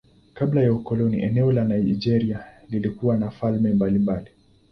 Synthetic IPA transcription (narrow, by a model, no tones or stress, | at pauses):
kablajaukɔlɔnḭʔɛnɛɔlanaid͡ʒɛɾialilikuwanafalmɛmbalimbali